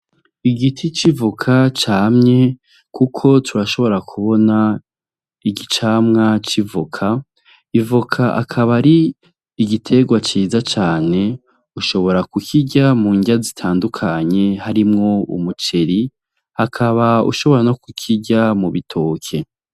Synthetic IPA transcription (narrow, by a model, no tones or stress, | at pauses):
iɡitʰit͡ʃivukʰat͡ʃaːmɲe̞ | kʰukʰo̞tʰuɾaʃo̞βo̞ɾakʰuβo̞na | iɟit͡ʃaːmŋat͡ʃivukʰa | ivukʰaʔa̰kʰaβaɾiː | ɡitʰe̞ɡwat͡ʃiːzat͡ʃaːne̞ | uʃo̞βo̞ɾakukʰiɟamuːɲɟazitʰaːndukʰaɲe̞haɾimŋo̞ṵmut͡ʃe̞ɾi | hakʰaβaṵʃo̞βo̞ɾano̞kukʰiɟamuβitʰo̞ːkʰe̞